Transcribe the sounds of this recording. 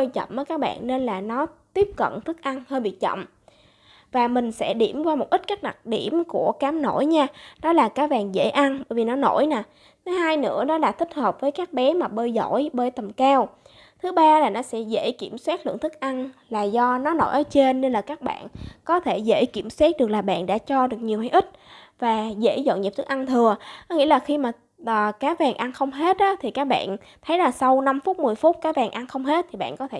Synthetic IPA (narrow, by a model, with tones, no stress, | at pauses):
əː˧jt͡ɕə̰˧˨wmʔəː˨˦jkaː˦˥k̚ɓa̰ː˧˨nːe˧nlaː˨˩nɔ˨˦t̪i˦˥əp̚kə̰˧˨nt̪ʰɨ˦˥k̚ʔa˧nhəː˧jɓḭ˧˨t͡ɕə̰˧˨m | vaː˨˩mï˨˩ŋ̟sɛ̰˧˥ɗi˧˩əmkwaː˧mo˨˩t̚ʔi˦˥kaː˦˥k̚ɗa˨˩k̚ɗi˧˩əmku˧˩əkaː˨˦mno̰˧˩jɲaː˧nɔ˨˦laː˨˩kaː˨˥vaː˨˩ŋzḛ˧˥jʔa˧nɓəː˧˩jvi˨˩nɔ˨˦no˧˩jnaː˨˩ | t̪ʰɨ˨˦haː˧jnɨ̰˧˥əɗɔ˨˦laː˨˩t̪ʰï˦˥k̟̚həː˨˩p̚vəː˨˦jkaː˦˥k̚ɓɛ˨˦maː˨˩ɓəː˧jzɔ̰˧˩˨jɓəː˨˦jt̪ə˨˩mkaː˧w | t̪ʰɨ˨˦ɓaː˧laː˨˩nɔ˨˦sɛ̰˧˥zḛ˧˥jki˧˩əmswaː˦˥t̚lɨ̰˧˨əŋt̪ʰɨ˦˥k̚ʔa˧nlaː˨˩zɔ˧nɔ˨˦no̰˧˩jʔəː˨˦t͡ɕe˧nːe˧nlaː˨˩kaː˦˥k̚ɓa̰ː˧˨nkɔ˨˦t̪ʰe˧˩zḛ˧˥jki˧˩əmswaː˦˥t̚ɗɨ˨˩ək̚laː˨˩ɓa̰ː˧˨nɗa̰ː˧˥t͡ɕɔ˧ɗɨ˨˩ək̚ɲi˨˩əwhaː˧jʔï˦˥k̟̚vaː˨˩zḛ˧˥zo̰˧˨nɲi˨˩t̪ʰɨ˦˥kʔa˧nt̪ʰɨ˨˩əɔ˨˦ŋḭ˧˥əlaː˨˩xi˧maː˨˩˨ | kaː˨˦vɛ˨˩ŋʔa˧nxə˧wŋ͡mɦe˦˥t̚ɗɔ˨˦t̪ʰi˨˩kaː˦˥k̚ɓa̰ː˧˨n | t̪ʰə˨˦jlaː˨˩sa˧wna˧mfu˦˥t̚mɨ˨˩əjfu˦˥t̚kaː˨˦vɛː˨˩ŋʔa˧nxə˧wŋ͡mɦe˦˥t̚t̪ʰi˨˩ɓa̰ː˧˨nkɔ˨˦t̪ʰe˧